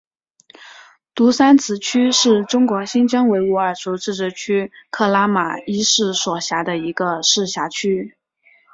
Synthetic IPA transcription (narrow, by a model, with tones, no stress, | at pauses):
t̪u˧˥sa˥nt͡sʰɹ̩˧˥t͡ɕʰy˥ʂɻ̩˥˩ʈ͡ʂʊ˥ŋkwɔ˧˥ɕi˥nʈ͡ʂɤ˥ŋwe˧˥ɪu˧˥˩ə˞˥˨˩ʈ͡ʂʰu˧˥ʊʈ͡ʂɻ̩˥˩ʈ͡ʂɻ̩˧˥˩t͡ɕʰy˥kʰɤ˥˩la˥ma̰˨˩i˥ʂɻ̩˥˩swɔ˨˩ɕja˧˥d̪ə˧i˧˥ɡə˧ʂɻ̩˥˩ɕja˧˥t͡ɕʰy˥